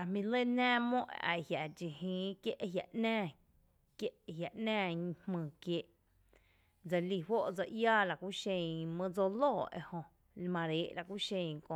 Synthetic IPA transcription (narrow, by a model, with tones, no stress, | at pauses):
a˨mĩ˧le˦næ̃ː˦mõ˦ʔʔa̰˨hja˨d͡ʒi˨hĩː˧˦kje˦ʔɦja̰˨ʔnæ̃ː˦ | kje˦ʔɦja˨ʔnæ̃ː˦˨ɲ˧hmɨ̃ː˨kjeː˧ʔ | d͡za˧li˧˨wo˦ʔd͡za˧ʔjaː˦la˨kʷu˦ʃẽ˧mə̃˦d͡zo˧loː˦˨ḛ˧hõ˧ | lmã˧ɾeː˨˦ʔla˧kʷu˦ʃẽ˧˨ŋkõ˧˨